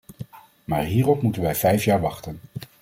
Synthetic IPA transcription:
maːɹɦiːrɔpmutənʋɛjvɛjfjaːɹʋɑχtən

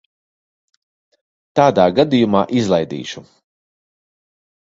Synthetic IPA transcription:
t̪aːd̪aːɡad̪ijumaːʔizlˠajd̪ḭːʃu

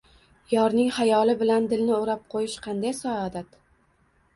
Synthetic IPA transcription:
jɒɾnɪŋhajɒlɪbɪland̪ɪlnɪʊɾap̚qʰojɪʃqʰɑnd̪ajsɒɒd̪at̪

